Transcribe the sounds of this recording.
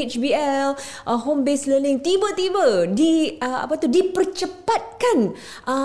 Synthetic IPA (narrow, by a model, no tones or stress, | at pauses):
et͡ʃbiɛl | ʔəɦombesləlɪŋt̪ibət̪ibədiəa̰pat̪udipərt͡ʃəpat̪̚kan | ʔə